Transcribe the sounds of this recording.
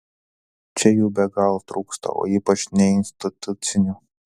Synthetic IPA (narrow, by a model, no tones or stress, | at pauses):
t͡ʃʲɛjuːbʲɛɡɐlˠt̪ɾuːkst̪ɐ̰o̰ːiːpɐt͡ʃʲnʲɛɪnʲsʲt̪ʲɪt̪ʊt̪sʲɪnʲuː